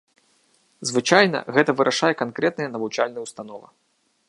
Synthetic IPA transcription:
zvɨt͡ʂajnɐ̰ɣɛt̪ɐvɨɾʔaʂajɛkankɾɛt̪̚nɨjɐnɐvut͡ʂalʲnɐjwst̪anɔvɐ̰

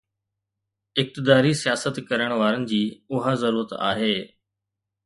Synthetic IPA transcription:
ɪk̚t̪ɪd̪aːɾisijaːsət̪kɐɾəɽ̃ʋaːɾənɪ̆d͡ʑiːʊɦazɐɾuːɾət̪a̰ːɦeː

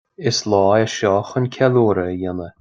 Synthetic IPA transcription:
ɪslɑːjəʃɔːxənʲkʲʰɛluːɾəjɪnə

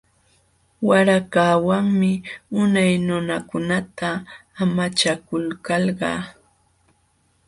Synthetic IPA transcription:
waɾakaːwaŋmɪʊnajnʊnakʊnat̪aːmat͡ʃakʊlkɑlɢɑ̰ː

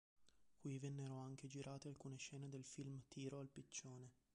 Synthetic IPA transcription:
kwivɛnːeɾoaŋk̟ed͡ʒiɾʔaːt̪ealkuːneʃɛːned̪elfilmt̪iːɾoalpit͡ʃːoːne

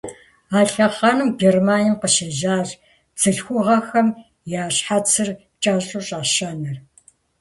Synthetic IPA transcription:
aːɬɐχɑːnɨmɡermaːnimqəʃɐʒaːr | t͡sʰɨɬxʷʊʁɐxɐm | jaːɕħat͡sʰɨr | t͡ʃʼaːɕʼʊɕʼaːɕaːnɐr

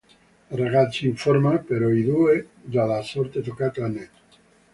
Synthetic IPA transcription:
reɣat̪t͡ʃiɱfoɾmapeɾoiðued̪aðasoɾt̪et̪okat̪lanet̪

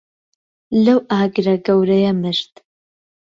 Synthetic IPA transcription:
lɐwʔaːɡɾɐɡɐwɾɐjɐmɨʃt̪

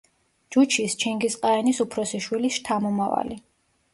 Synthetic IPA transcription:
d͡ʒut͡ʃʰist͡ʃʰɛŋɡisqʼaɛnisupʰɾɔsiʃwilisʃt̪ʰamɔmava̰li

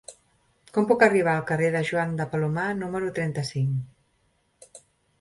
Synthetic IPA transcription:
kɔmpukəriβ̞aːlˠkəreðəʒwand̪əpəlumanuməɾut̪ɾɛnt̪əsiŋ

